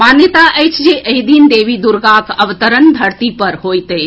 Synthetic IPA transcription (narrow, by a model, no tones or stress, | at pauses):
maːnjət̪aʔeɪt͡ʃd͡ʒiːʔɐɦid̪iːnd̪eːʋid̪ʊɾɡaːkɐʋt̪əɾənd̪ʱɐɾt̪ipɐɾhoːit̪e